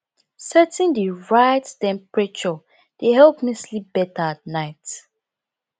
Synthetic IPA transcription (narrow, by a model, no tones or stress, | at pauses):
sɛtɪ̃ndiɹaɪttɛ̃mpɹɛt͡ʃɔ | d̥eɦɛlpmislibɛtaat̚naɪt